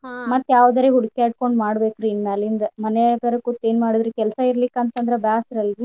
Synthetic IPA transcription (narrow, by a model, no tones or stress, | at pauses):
mɐt̪ːjaːʋd̪ɐɾeɦuɽkeaːʈ̚ko̞ɳɖmaːɽbe̞ːkɾiinmalind̪ɐmɐnɛaɡɐɾɐkːut̪ːeːnmaːɽid̪ɾekɛlsɐiɾlikɐnt̪ɐnd̪ɾebjaːsiɾɐlːi